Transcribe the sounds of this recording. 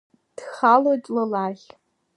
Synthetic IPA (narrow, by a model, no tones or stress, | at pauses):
d̥χalotʼlɨlaχʲ